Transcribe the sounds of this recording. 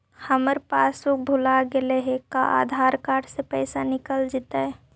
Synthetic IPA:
həməɾpaːsuk̚bʱulaɡeleɦekaʔa̰d̪ʱaːɾkaːɾʈsepəɪsanɪkəld͡ʒɪt̪aɛ

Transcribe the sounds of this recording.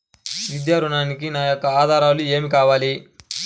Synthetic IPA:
ʋid̪jaːɾuɳaːnikinaːjokːɐaːd̪ʱaːɾaːlueːmikaːʋaːli

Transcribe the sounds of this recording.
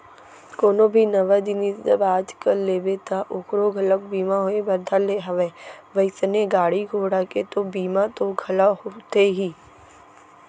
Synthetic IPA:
koːnõbʱinɐʋad̪ɪnid͡ʒɐbaːd͡ʒkəɾleːbet̪aʔoːkɾoɡʱɐlək̚biːmaɦoebɐɾd̪ʱaleɦɐʋeːʋəɪsəneɡaːɽiɡʱoːɽaket̪obiːmat̪oɡʱɐlaɦot̪eɦiː

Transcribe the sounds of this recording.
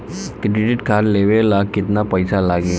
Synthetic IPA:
kɾɪɖɪʈkʰaɾleʋelakɪt̪napəjsalaɡe

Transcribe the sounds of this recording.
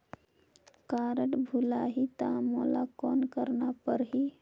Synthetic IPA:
kaɾəʈbʱulaɦit̪amolakɔnkəɾɳapəɾɦi

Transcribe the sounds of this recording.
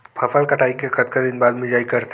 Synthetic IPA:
pʰɐfəlkɐʈʰaːikekɐt̪kad̪ɪnbaːd̪mɪd͡ʒaːikɐɾt̪ʰ

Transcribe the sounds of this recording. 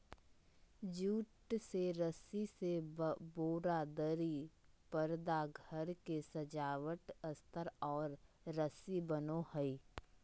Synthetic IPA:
d͡ʒuːʈseɾəsiseboːɾad̪əɾi | pəɾd̪aɡʱəɾkesəd͡ʒaːʋəʈəst̪ʰəɾɔːɾ | ɾəsibənohəi

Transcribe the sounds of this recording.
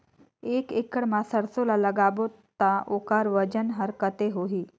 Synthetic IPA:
ekekəɽmasəɽsolaləɡabot̪ːaʔokaɾʋəd͡ʑənɦəɾkət̪eɦoɦiː

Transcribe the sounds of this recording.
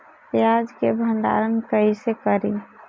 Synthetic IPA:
jad͡ʒkebʱənd̪a̰ɾənkəɦisekəɾi

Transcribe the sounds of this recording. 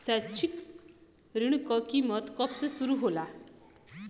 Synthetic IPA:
sat͡ʃʰik | ɾiɽ̃ukɔkimɔt̪kɔpsesuɾuɦola

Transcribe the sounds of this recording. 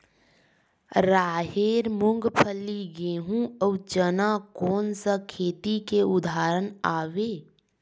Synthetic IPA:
ɾaːɦeɾmuŋɡpʰəlːiɡeɦũəut͡ʃənakoːnsə̃kʰeːt̪ikeud̪ʱaːɾənaːweː

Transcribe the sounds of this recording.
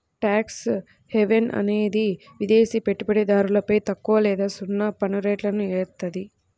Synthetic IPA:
ʈaːks | heʋenʔɐ̰ne̞ːd̪i | ʋid̪eːsipeʈːupɐɽed̪aːɾulɐpɐjt̪ɐkːuʋɐlɛːd̪aːsunːɐpɐnuɾeːʈlɐnueːɾt̪ɐd̪i

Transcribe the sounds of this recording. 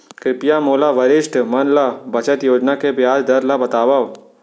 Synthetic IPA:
kɾɪpjamoːlaʋɐɾɪʃʈʰmɐnlabɐt͡ʃət̪joːd͡ʒnakebjaːd͡ʒd̪ɐɾlabɐt̪aːʋaʋ

